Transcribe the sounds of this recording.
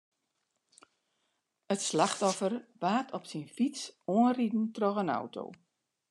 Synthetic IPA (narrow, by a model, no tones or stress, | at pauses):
ətslaxtɔfərʋaːtʰɔpsinfit͡soənridn̩trɔɣəna̰wtʰo̰ː